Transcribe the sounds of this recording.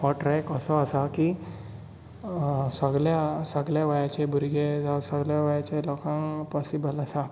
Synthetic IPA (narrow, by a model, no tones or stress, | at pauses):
ɔʈɾɛkəsɔːsaki | səɡɭjasəɡɭjaʋajat͡ɕebʱuɾɡed͡zasəɡljaʋajat͡ɕelɔkãŋpɔsibələsa